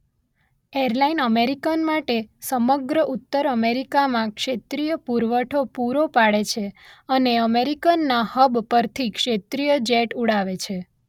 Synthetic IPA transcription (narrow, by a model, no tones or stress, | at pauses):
eɾlainəmeɾikənmaʈesəməɡɾəʔut̪ːəɾəmeɾikamãkʃet̪ɾijəpuɾʋəʈʰopuɾopaɽet͡ʃʰeəneəmeɾikənːahəbpəɾt̪ʰikʃet̪ɾijəd͡ʒeʈuɽaʋet͡ʃʰe